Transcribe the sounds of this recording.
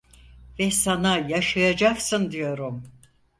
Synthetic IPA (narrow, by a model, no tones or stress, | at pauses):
vɛsanajaʃajad͡ʒaksɯnd̪ijo̞ɾum